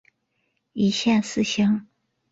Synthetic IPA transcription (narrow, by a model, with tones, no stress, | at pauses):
i˧˥ɕjɛ˥˧nsɹ̩˥˧ɕɤ˥ŋ